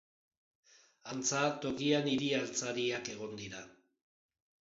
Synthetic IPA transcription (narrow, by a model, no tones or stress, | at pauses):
ant͡sat̪o̞kianiɾialt͡saɾiake̞ɣ̞o̞nd̪iɾa